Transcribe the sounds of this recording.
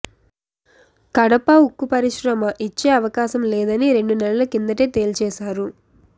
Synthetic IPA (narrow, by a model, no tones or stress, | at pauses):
kɐɽɐpɐukːupɐɾiʃɾɐmɐʔit͡ʃːeːɐʋɐkaːʃɐmlɛːd̪ɐniɾe̞ɳɖunɛlɐlukind̪ɐʈe̞ːt̪e̞ːlt͡ʃɛːʃaːɾu